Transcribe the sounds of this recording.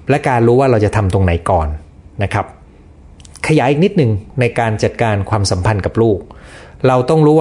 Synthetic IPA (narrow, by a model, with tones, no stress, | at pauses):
lɛ˦˥kaː˧nɾuː˦˥waː˥˩ɾa˧wt͡ɕa˨˩t̪ʰa˧mt̪o˧ŋna˩˦jkɔː˨˩nːa˦˥kʰɾa˦˥p̚ | kʰa˧jaː˨˩˦jʔːk̚ni˦˥t̪̚nɯ˨˩ŋna˧jkaː˧nt͡ɕa˨˩t̪̚kaː˧nkʰwaː˧msa˩˦mpʰa˧nka˨˩p̚luː˥˩k̚ɾa˧wt̪ɔ˥˩ŋɾuː˦˥w